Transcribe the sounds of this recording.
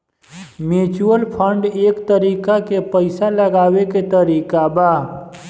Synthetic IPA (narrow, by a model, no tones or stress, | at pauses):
meːt͡ʃuəlpʰə̃ɳɖeːkt̪əɾiːkakepəɪsalɐɡaːweket̪əɾiːkabaː